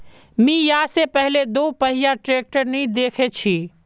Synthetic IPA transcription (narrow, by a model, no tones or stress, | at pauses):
mĩjaːsepəɦɪled̪oːpəɦɪjaʈɾeːk̚ʈəɾnid̪eːkʰet͡ʃʰi